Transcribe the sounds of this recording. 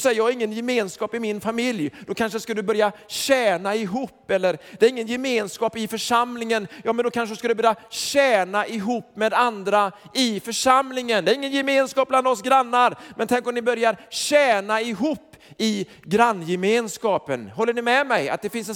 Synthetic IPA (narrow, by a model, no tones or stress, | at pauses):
sɛjəjɑːɡɾɪŋːənjɛmeːnskɑːpɪmɪnfamɪljd̪̥ɔkʰanʂəskad̪ɵbœɾjaɕɛːnaɪɦuːpːɛlːəɾd̪ɛæːɾɪŋːənjɛmeːnskɑːpɪfœʂamlɪŋənjɑːmɛnd̪ɔkʰanʂəskad̪ɵbœɾjaɕɛːnaʔɪɦuːpːmeːd̪and̪ɾaɪfœʂamlɪŋənd̪ɛæɾɪŋːənjɛmeːnskɑːp̚bland̪ɔsɡɾanːaɾmɛnt̪ʰɛŋkɔmnɪbœɾjaɾɕɛːnaɪɦuːpːɪ | ɡɾanːjɛmeːnskɑːpənhɔlːəɳɪmɛmɛja̰t̪̚d̪ɛfɪnsɛ